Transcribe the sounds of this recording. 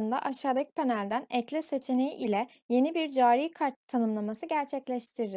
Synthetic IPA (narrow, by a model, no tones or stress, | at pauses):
ɯnd̪a̰ʔaʃaːd̪ac̚pʰe̞nælʲd̪ænɛclʲɛse̞t͡ʃʰene̞jiʔilʲɛ | je̞nibiɾd͡ʒaːɾiːkʰaɾt̪ʰːanɯmlˠamasɯɟæɾt͡ʃʰɛclʲɛʃt̪ʰiɾd̪ɪ